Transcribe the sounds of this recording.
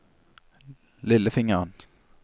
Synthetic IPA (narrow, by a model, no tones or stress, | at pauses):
lɪləfɪŋəʁən